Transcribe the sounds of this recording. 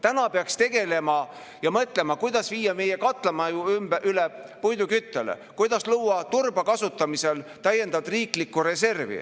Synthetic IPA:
t̪ænɑpeɑkst̪e̞ɡ̥e̞le̞mɑ | jɑmɤt̪ˑle̞mɑkujd̪ɑsviːjːɑmejekɑt̪ˑlemɑuymb̥ʔylepujd̪ukyt̪ːelḛkujd̪̥ɑsluːɑt̪urb̥ɑkɑsut̪ːˑɑmise̞lt̪æjːe̞nd̪ɑd̪riːklikːuɾe̞se̞rvḭ

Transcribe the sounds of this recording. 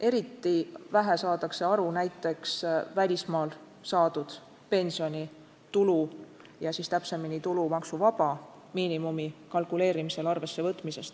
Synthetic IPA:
ʔe̞ɾit̪ːˑivæɦe̞sɑːt̪ɑkse̞ɑɾunæjt̪ːˑe̞ksvælʲismɑːl | sɑːd̪̥ud̪̥ | pe̞nsio̞nʲi | t̪ulu | jɑsist̪æpse̞minit̪ulumɑksuvɑb̥ɑ | miːnimumikɑlkule̞ːɾimise̞lɑrve̞sːe̞vɤt̪ːˑmise̞st̪

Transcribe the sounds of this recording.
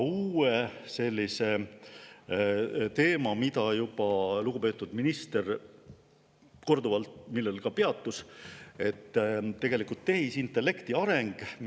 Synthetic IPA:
uːese̞lʲːise̞ | t̪e̞ːmɑmit̪ɑjubɑluɡ̥upe̞ːt̪ːˑud̪̥minist̪e̞r | ko̞rd̪uvɑlt̪milːelkɑpe̞ɑt̪ˑːuse̞t̪ːe̞ɡ̥e̞likult̪ːe̞ɦisint̪ːˑe̞lːe̞kt̪iɑɾe̞ŋɡ̥

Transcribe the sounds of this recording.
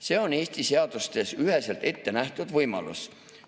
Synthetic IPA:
se̞ːo̞ne̞ːst̪ise̞ɑd̪̥ust̪e̞syɦe̞se̞lt̪e̞t̪ːe̞næht̪ud̪̥vɤjmɑ̰lṵs

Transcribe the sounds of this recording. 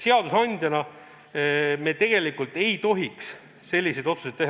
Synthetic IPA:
seɑd̪usɑnʲd̪̥ʲjɑnɑ | me̞t̪e̞ɡ̥e̞likult̪ˑe̞jt̪o̞ɦiks | se̞lʲːise̞jd̪̥o̞t̪su̥set̪ːeh

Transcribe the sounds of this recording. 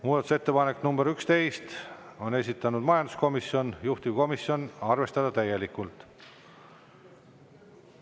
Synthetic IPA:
muːd̪̥ɑt̪u̥set̪ːe̞pɑnekːnumb̥e̞ɾykst̪e̞jst̪o̞ne̞s̬ʲit̪ːˑɑnud̪̥mɑjɑnd̪u̥sko̞miso̞njuht̪ivko̞misjo̞nɑrve̞st̪ɑd̪̥ɑt̪æje̞likːˑult̪ˑ

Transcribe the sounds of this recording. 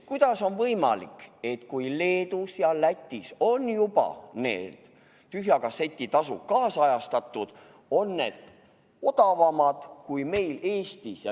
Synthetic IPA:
kujd̪̥ɑso̞nvɤjmɑ̰lḭke̞t̪kujle̞ːd̪̥usjɑlæt̪ʲːˑiso̞njub̥ɑ̰ne̞̰ːd̪̥ | t̪yɦjɑkɑse̞t̪ʲːˑit̪ɑsṵkɑːsɑjɑst̪ɑt̪ˑːud̪̥ | o̞nːe̞̰d̪̥ | od̪̥ɑvɑmɑd̪̥kujme̞jle̞ːst̪isjɑ

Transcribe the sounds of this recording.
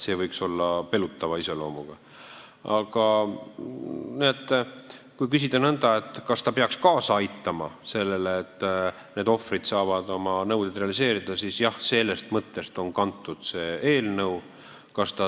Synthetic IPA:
se̞ːvɤ̞jkso̞lːɑpe̞lut̪ːɑvɑise̞lo̞ːmuɡ̥ɑ | ɑɡ̥ɑ | niet̪ː | kujk̬ysid̪enɤnd̪̥ɑe̞t̪ːkɑst̪ɑpe̞ɑkskɑːsɑɑjt̪ːˑɑmɑse̞lːe̞leːt̪ːˑ | ne̞ːd̪o̞frid̪̥sɑːvɑd̪̥o̞mɑnɤwd̪ed̪re̞ɑlise̞ːɾid̪̥ɑsisjɑhse̞lːe̞st̪mɤt̪ːˑe̞st̪o̞nkɑnt̪ːˑud̪̥se̞ːeːlnɤw | kɑst̪ɑ

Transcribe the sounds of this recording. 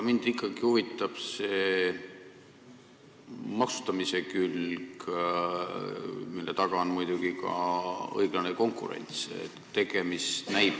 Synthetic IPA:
mind̪̥ikˑːɑɡ̥ihuvit̪ːˑɑb̥se̞ | mɑksu̥t̪ɑmise̞kylɡ | milːe̞̰t̪ɑɡ̥ɑonmujd̪̥uɡ̥ikɑ̰ɤ̰jɡ̥lɑne̞ko̞ŋkˑṵɾe̞̰nʲt̪sḛ | t̪ːe̞ɡ̥e̞mist̪næjb

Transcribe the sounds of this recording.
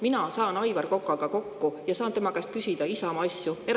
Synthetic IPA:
minɑsɑːnɑjvɑrko̞kːˑɑɡ̥ɑko̞kːujɑsɑːnt̪e̞mɑkæst̪̚kysʲid̪ɑisɑmɑsjue̞

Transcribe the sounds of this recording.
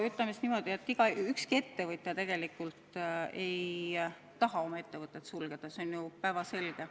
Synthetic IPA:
yt̪lɑmisnimo̞d̪̥iet̪ːiɡ̥ɑykskie̞t̪ːe̞vɤt̪ʲːˑjɑt̪e̞ɡ̥e̞likult̪e̞j | t̪ɑɦɑo̞mɑe̞t̪ːe̞vɤt̪ːˑet̪sulɡ̥e̞d̪̥ɑseonjupæːvɑse̞lɡ̥e̞

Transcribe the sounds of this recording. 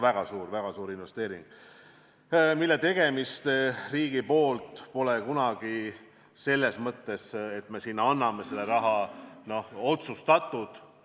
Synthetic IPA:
væɡ̥ɑsuːrvæɡ̥ɑsuːɾinve̞st̪e̞ːɾḭŋɡ̥ | milːe̞t̪e̞ɡ̥e̞mist̪riːɡ̥ipo̞ːlt̪po̞lekunɑɡ̥i | se̞lːe̞smɤt̪ːe̞set̪ːme̞sinːɑnːɑme̞se̞lːeɾɑɦɑno̞ho̞t̪sust̪ɑt̪ˑːud̪̥

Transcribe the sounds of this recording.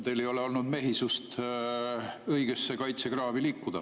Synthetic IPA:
t̪elejo̞le̞o̞lnud̪me̞ɦisust̪ | ɤjɡ̥esːe̞kɑjt̪se̞ɡrɑːviliːkːˑud̪̥ɑ

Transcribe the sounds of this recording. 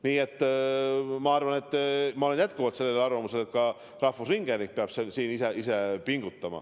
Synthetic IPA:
niːe̞t̪ː | mɑɑrvɑne̞t̪ːˑmɑole̞njæt̪kuvɑt̪se̞lːelɑrvɑmuse̞let̪̚kɑ | rɑhfusriŋɡ̥enik̚peɑb̥sensiːniseise̞piŋɡ̥ut̪ːˑɑmɑ̰

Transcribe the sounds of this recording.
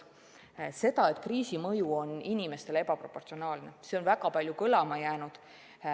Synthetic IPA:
se̞d̪ɑe̞t̪ːˑkriːsimɤjuo̞ninime̞st̪e̞lepɑpro̞pːˑo̞rt̪sio̞nɑːlne̞seo̞nvæɡɑpɑlʲjukɤlɑmɑjæːnud̪̥

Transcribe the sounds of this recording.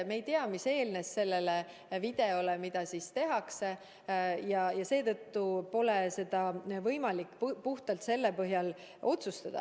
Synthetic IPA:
mejt̪eɑmise̞ːlne̞sːe̞lːele | vid̪̥e̞olemid̪̥ɑsist̪e̞ɦɑkse | jɑjɑse̞ːt̪ɤt̪ːupo̞lese̞d̪̥ɑvɤjmɑlikːˑppuht̪ɑlt̪se̞lːepɤɦjɑl | o̞t̪sust̪ɑd̪̥ɑ̰

